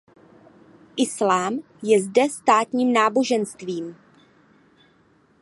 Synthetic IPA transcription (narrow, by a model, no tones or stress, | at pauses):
ʔɪslaːm | jɛzdɛst̪aːt̪ɲiːmnaːbo̞ʒɛnst̪viːm